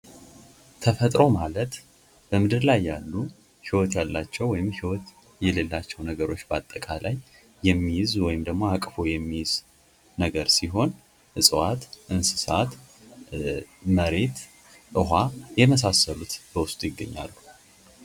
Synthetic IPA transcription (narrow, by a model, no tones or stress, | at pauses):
t̪ʰəfət̪ʼɾo̞malət̪ | b̥əmɨd̪ɨɾlajːalːu | hiwɔt̪jalːat͡ʃːɛwːɔjɪmhiwɔt̪ | jɛlelːat͡ʃːɛwnəɡəɾo̞t͡ʃːbəat̪ʼːəkʼalʔajː | ɛmːijzwɔjɪmd̪əɡmo̞akʼfo̞jɛmːijz̥ | nəɡəɾsiɦo̞n | ɨsʼəwat̪ʔɨnsɨsat̪ | məɾe̞t̪ | ʔɨɦajɛməs̬asːəlut̪bəwʊst̪ʼjɪɡːəɲːa̰lːu